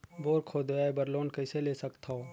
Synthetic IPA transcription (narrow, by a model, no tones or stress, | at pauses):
boːɾkʰoːd̪aebəɾloːnkəɪseleːsəkt̪ʰao